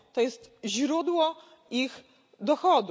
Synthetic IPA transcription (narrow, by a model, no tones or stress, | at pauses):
t̪ɔjɛst̪ʑɾud̪wɔ | ix | d̪ɔxɔd̪